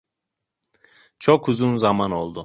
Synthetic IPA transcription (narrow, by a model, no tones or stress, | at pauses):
t͡ʃʰokʰuzunzamano̞lˠd̪ʊ